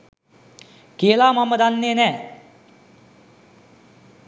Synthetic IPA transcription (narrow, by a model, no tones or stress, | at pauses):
kiəlaːmaməd̪anːeːnɛː